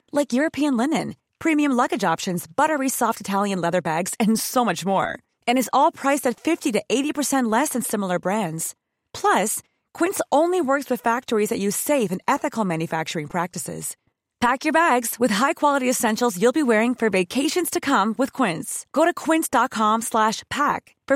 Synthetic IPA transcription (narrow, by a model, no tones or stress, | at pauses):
laɪkjʊɹɨpʰiɨ̃nlɪnɨ̃n | pʰɹ̥ĩmiɨ̃mlʌɡɨd͡ʒɑpʃɨ̃nzbʌɾə˞isɔftɨtʰælˠjɨ̃nlɛðə˞bæɡz̥ɨ̃nsoʊmʌt͡ʃmɔ̰ɹ | ɨ̃ñɨzɔlˠpʰɹ̥aɪsɨtfɪftiɾɨʔeɪɾipʰə˞sɛ̃nʔˡlɛsɨ̃nsɪ̃ml̩ˠə˞bɹæ̃ndz̥ | pʰl̥ʌs | kʰw̥ɪ̃ntsõʊ̃nliwɜ˞kswɨð̥fæk̚tə˞izðɨʔʉ̥seɪfɨ̃nɛθɨkl̩ˠmæ̃njɨfæk̚t͡ʃə˞ɪ̃ŋpʰɹ̥æk̚tɨsɪ̰z̥ | pʰækjə˞bæɡz̥wɨð̥ɦaɪkʰw̥ɑlˠəɾiɨsɛ̃nʃl̩ˠzjʉlˠbiwɛɹɪ̃ŋfə˞veɪkʰeɪʃɨ̃nz̥tʰɨkʰʌ̃mwɨð̥kʰw̥ɪ̃ntsɡ̥oʊɾɨkʰw̥ɪ̃ntsd̥ɑt̚kʰɑ̃mslæʃpʰæk | fə˞